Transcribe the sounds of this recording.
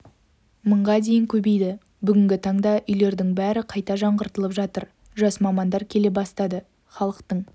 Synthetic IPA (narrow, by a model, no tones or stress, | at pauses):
məɴʁɑd̪e̞jɪŋkʲʰɵbejd̪ɪ | bʏɡʲɪŋɡʲɪt̪ʰɑɴd̪ɑʔʏjle̞ɾd̪ɪŋbæɾɪqʰɑjt̪ɑʒɑɴʁəɾt̪əlˠəpʒɑt̪əɾ | ʒɑsmɑmɑnd̪ɑɾkʲʰe̞le̞bɑst̪ɑd̪ə | χɑlˠəqt̪əɴ